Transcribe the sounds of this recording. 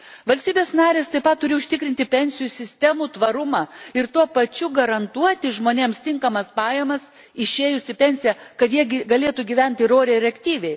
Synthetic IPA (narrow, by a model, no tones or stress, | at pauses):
ʋɐlʲst̪ʲiːbʲeːsnɑːɾʲeːst̪ɐɪpɐt̪̚tːʊɾʲɪʊʃʲt̪ʲɪkɾʲɪnʲt̪ʲɪpʲɛnʲsʲɪjuːsʲɪsʲt̪ʲɛmuːt̪ʋɐɾʊmɑːɪɾt̪uɔpɐt͡ʃʲʊɡɐɾɐnt̪uɔt̪ʲɪʒmoːnʲeːmst̪ʲɪŋkɐmɐspɑːjɛmɐs | ɪʃʲeːjʊsʲɪpʲɛnʲsʲɪjɛkɐt̪jiɛɡʲɪɡɐlʲeːt̪uːɡʲiʋʲɛnʲt̪ʲɪɾoːɾʲeːɾʲɛɐkʲt̪ʲiːʋʲɛɪ